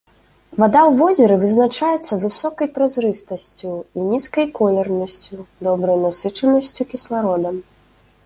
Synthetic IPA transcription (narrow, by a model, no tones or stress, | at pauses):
vad̪awvɔzʲɛɾɨvɨznat͡ʂajɛt̪sːɐvɨsɔkɐjpɾazɾɨst̪ɐsʲt͡sʲuinʲiskɐjkɔlʲɛrnɐsʲt͡sʲud̪ɔbɾɐjnasɨt͡ʂɐnɐsʲt͡sʲukʲislˠaɾɔd̪ɐm